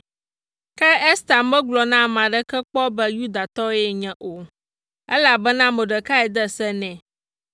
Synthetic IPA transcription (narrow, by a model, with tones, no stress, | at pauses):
kɛ˦ɛ˦st̪a˨mbɛ˦ɡlɔ˨nã˦˨mã˨ɖə˦kɛ˦k͡pɔ˦bɛ˦ju˦d̪a˨t̪ɔ˦jɛ˦ɲɛ̃˨ʔo˨ | ɛ˦la˨bɛ˦nã˦mə˨ɖə˨ka˦ɛ˨d̪ɛ˦sɛ˦nɛ̃˨